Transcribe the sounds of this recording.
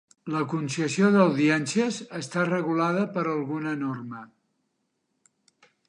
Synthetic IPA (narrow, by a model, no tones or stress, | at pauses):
ləkunsəsioðəwðiɛnsiəzəst̪arəɣulaðəpəɾəlˠɣunənormə